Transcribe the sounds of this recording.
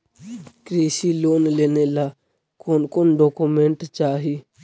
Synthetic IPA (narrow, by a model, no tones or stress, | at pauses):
kɾeːsiloːnleːnela | koːnkoːnɖɔːkumẽɳʈt͡ʃaːɦi